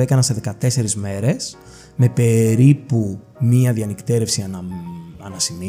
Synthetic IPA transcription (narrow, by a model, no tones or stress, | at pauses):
ekɐnɐse̞ðekɐt̪e̞se̞ɾizme̞ɾe̞s | me̞pe̞ɾipu | miɐðiɐnikt̪eɾe̞fsiɐnɐnɐsimi